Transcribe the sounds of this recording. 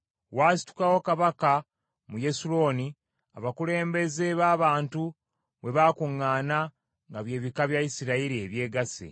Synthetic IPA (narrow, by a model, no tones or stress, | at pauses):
waːsi̥tu̥kawo̞kaβaka | muje̞suɾo̞ːni | a̰βakule̞ːmbe̞ze̞βaːβaːntu | βe̞βakuŋːaːna | ŋɡaβje̞ːβikaβjaisiɾaiɾie̞βje̞ːɡasḛ